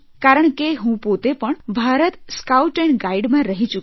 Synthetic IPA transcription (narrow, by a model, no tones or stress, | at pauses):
kaɾəɳkeɦũpot̪epəɳbʱaɾət̪skauʈɛ̃ɳɡaiɽmãɾəɦit͡ɕuk